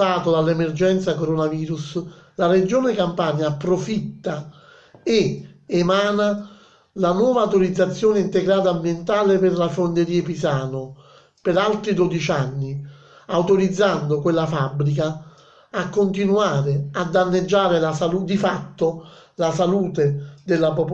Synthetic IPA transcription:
aːt̪od̪alːɛmerd͡ʒɛnt̪sakoɾonaviːɾuslared͡ʒoːnɪkampanjaːpːɾofit̪ːa | eemaːna | lanwɔːvaːwt̪oɾid̪zːat̪sːjoːnɪint̪eɡɾaːt̪̬ambjent̪aːlepɪrlafond̪eɾiːepisaːno | pɪɾalt̪ɾid̪od̪it͡ʃanːi | awt̪oɾid̪zːand̪okwelːafabːɾik̬aː | kːont̪inuaːɾɪad̪ːanːed͡ʒːaːɾɪlasalud̪ifat̪ːo | lasaluːt̪ed̪elːapop

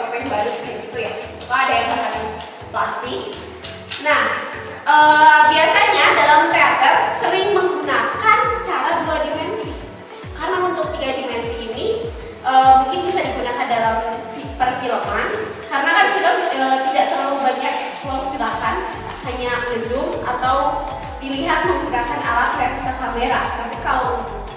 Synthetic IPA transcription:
apaŋbaɾuskiŋit̪ujasukaːdajaŋaɾata | plast̪ɪk̚ | nah | ʔəbiasaɲadalampɛat̪ərsəɾɪŋməŋɡunakant͡ʃaɾaduadimɛnsi | kaɾənaunt̪ʊk̚t̪iɡadimɛnsiːni | ʔəːmuŋkɪnbisadiɡunakandalamfipərfiləman | kaɾənakanfiləmət̪idaʔt̪ərlaubaɲak̚ɛsplɔrfilakan | haɲaɡəzʊŋat̪aw | diliɦat̪̚məŋɡunakanalat̪apisakameɾaət̪apikalo

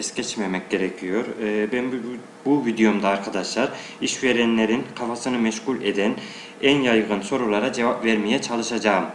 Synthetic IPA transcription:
ɛscɛt͡ʃmemɛc̚ɟe̞ɾecʰijo̞ɾbæn | buvid̪ijomd̪aːɾkʰad̪aʃlˠaɾ | iʃveɾɛnlʲe̞ɾinkʰafasɯnɯmɛʃɡulʲed̪æn | ænjajɣɯnso̞ɾulˠaɾad͡ʒe̞vapvæɾmijɛt͡ʃʰalˠɯʃad͡ʒaːɯm

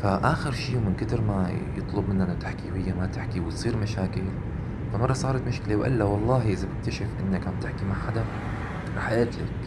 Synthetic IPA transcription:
faʔaːxɪɾʃiːwmɪnkɪd̪ɪɾmajɨt̪ˤlʊbmɪnːʔɪnːat̪ɪħkihɪjːamat̪ɪħkiwɪt̪sˤiːɾmaʃaːkɪl | famɑrˤːɑsˤɑːɾˤɑt̪mʊʃkɪlewʔɪ̰lːawɑlˤːɑːɦiʔɪzabɪk̚t̪aʃɪfʔɪ̰nːakʔamb̚t̪ɪħkimaʕħad̪a | ɾˤɑːħaʔeːt̪la̰k

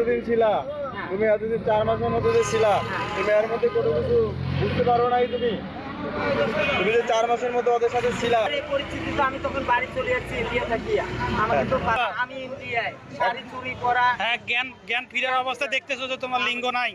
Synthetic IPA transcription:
od̪int͡ɕʰila | t̪umiad̪od̪int͡ɕaɾmaʃeɾmod̪ʱːed̪et͡ɕʰilat̪umɛaɾmod̪ʱːekoʈʰokit͡ɕʰubukt̪epaɾonajt̪umi | t̪umid͡ʑ̪et͡ɕaɾmaʃeɾmod̪ʱːeɔd̪oʃat̪ʰet͡ɕʰilaɾejpoɾist̪ʰit̪it̪oamit̪ɔkʰonbaɽit͡ɕolijat͡ɕʰilijat̪ʰakijaamaɾet̪opaamiliaj | ʃaɾit͡ɕuɾipɔɾaɦɛɡɛnɡɛnpʰiɾabɔbost̪ʰad̪ek̚ʰt̪esot̪ot̪omaɾliŋɡonaj

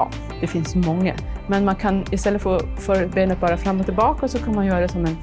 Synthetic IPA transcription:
d̪̥ɛfɪnsmɔŋːə̰mɛnmankʰanɪst̪ɛlːət̪fəɾɔfœɾbeːnət̪̚bɑːɾafɾamːɔt̪ʰːɪlbɑːkasɔkʰanmanjœːɾad̪ɛsɔmɛn

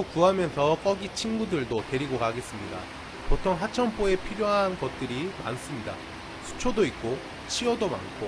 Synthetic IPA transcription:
okuɦamjʌnsʰʌk͈ʌɡit͡ɕʰinɡudɯɭdote̞ɾiɡokaɡe̞s͈ɯmɲida̰ | potʰoŋɦat͡ɕʰʌmp͈ʰoe̞pʰiɾjoɦanɡʌt̚t͈ɯɾima̰ns͈ɯmɲida̰ | sʰu̥t͡ɕʰodoik̚k͈o | t͡ɕʰiʌdoma̰nkʰo

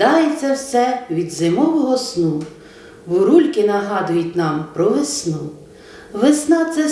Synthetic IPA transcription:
ɑjet͡sʲːɐwsɛʋʲid̪zɪmɔʋɔɦɔsnu | ʋʊɾulʲkɪnɐɦɑd̪ʊjʊtʲnɑmpɾɔʋesnu | ʋesnɑt̪sɛ

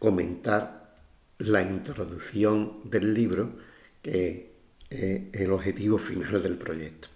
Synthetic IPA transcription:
ko̞mẽ̞nt̪aɾ | laint̪ɾo̞ðuθjo̞ŋd̪e̞lːiβɾo | ke | eelo̞ɦe̞t̪iβofinald̪e̞lpɾo̞ʝe̞t̪o̥

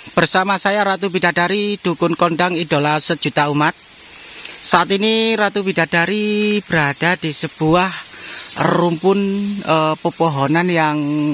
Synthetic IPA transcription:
b̥ərsamasajaɾat̪ubidadaɾid̥ukʊnkɔnɖaŋidolasə̥d͡ʒ̥ut̪aumat̪̚ | saʔat̪iniɾat̪ubida̤d̥aɾib̥əɾad̥ad̥isəb̥uah | rumpʊnəpəpɔɦɔnanjaŋ

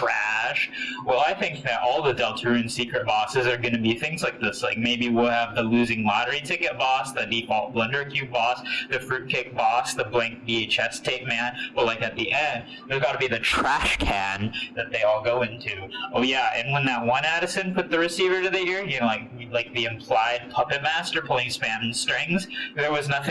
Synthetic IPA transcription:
tʰɹ̥æʃwɛlˠaɪθɪ̃ŋk̚ðɨɾʔɔlˠðədɛlˠtʰʉɨ̃nsikɹɨt̚b̥ɔsɨzə˞ɡʌñɨbiθɪ̃ŋzlaɪk̚ðɪslaɪk̚meɪbiwɪlˠəvðəlʉzɪ̃ŋlɑɾə˞itʰɪkɨt̚b̥ɔsðɨdipɔlˠt̚b̥lʌ̃ndə˞kʰj̥ʉbɔsðɨfɹʉt̚kʰɪk̚b̥ɔsðəblæ̃ŋk̚b̥ieɪt͡ʃɛstʰeɪk̚mæ̃nb̥ʌt̚ˡlaɪkɨt̪̚ðiʔɛ̃nd | ðə˞ɡɑɾəbiðɨtʰɹ̥æʃkʰæ̃nðɨt̪̚ðeɪɔlˠɡoʊɪ̃ntʰʉoʊjæɨ̰̃nwə̃nðət̚wʌ̃næɾɨsɨ̃npʰʊt̪̚ðɨɹɨsivə˞ɾɨðɨɪɹjɨlaɪkilaɪk̚ðiɨ̃mpʰl̥aɪd̚pʰʌpɨt̚mæstə˞pʰʊlˠɪ̃ŋspæ̃nstɹ̥ɪ̃ŋzðə˞wʌznʌθ

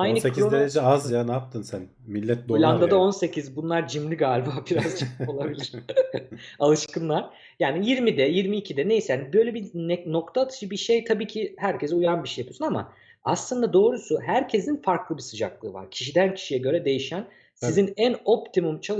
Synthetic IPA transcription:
ajnɯsekid̪eɾed͡ʒɛazjanap̚t̪ʰɯnsæn | milʲːɛt̪̚d̪oolʲand̪ad̪ao̞nse̞cʰizbunlˠaɾd͡ʒimlʲiɡaːlʲbaːbiɾazt͡ʃʰko̞lˠabilʲiɾ̥ | alˠɯʃkɯnlˠaɾ̥ | jaːnijiɾmid̪ɛjiɾmiːcʰid̪ɛne̞jsɛjaːnibøjlʲebinɛno̞k̚t̪ʰaːt̪ʰɯ̥d͡ʒɯbiʃejt̪ʰabiːcʰihæɾcʰezɛujanbiʃejapɯjosunama̰ | aslˠɯnd̪ad̪o̞ːɾusuɦæɾcʰe̞zinfaɾklˠɯbisɯd͡ʒa̰klˠɯ̰ːva̰ɾ̥cʰi̥ʃid̪æncʰi̥ʃijɛɟøɾɛd̪e̞jiʃæn | sizinæno̞pt̪ʰimumt͡ʃʰalˠ

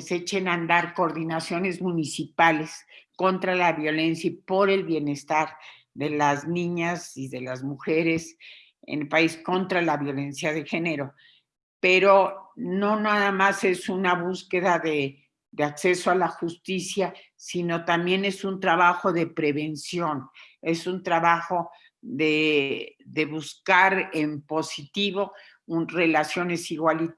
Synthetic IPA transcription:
set͡ʃenand̪aɾkoɾðinasjo̞ne̞zmũnisipale̞sko̞nt̪ɾalaβjo̞le̞nsjipo̞ɾe̞lβje̞ne̞st̪aɾ | ðe̞laznĩɲasiðe̞lazmuxe̞ɾe̞s | ḛnpaisko̞nt̪ɾalaβjo̞le̞nsjaðe̞xe̞ne̞ɾo̞ | pe̞ɾo̞no̞naðamase̞sunaβuske̞ðaðe | ðeakse̞soalaxust̪isja | sino̞t̪ambje̞ne̞sunt̪ɾaβaxo̞ðe̞pɾe̞βe̞nsjo̞n | e̞sunt̪ɾaβaxo̞ | ðe | ðe̞βuskaɾempo̞sit̪iβo̞ | unre̞lasjo̞ne̞siɣwali

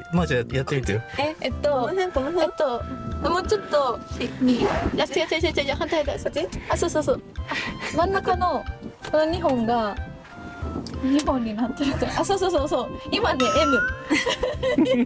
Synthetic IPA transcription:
mad͡ʑajat̪ːeɯt̪ejoeet̪ːoẽot̪ːoamot͡ɕot̪ːoijat̪ːeɡat͡ɕːat͡ɕat͡ɕad͡ʑakãnt̪at̪asɯteasoːsoːsoːamãnːakanoɯɲiɦõŋɡa | ɲiɦõɲːinat̪ːeɾɯt̪oʔasoːsosoːsoimaneʔemɯ

